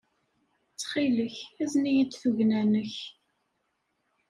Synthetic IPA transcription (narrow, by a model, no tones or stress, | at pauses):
t͡sːχiləçæznijəd̪θuʝnænəç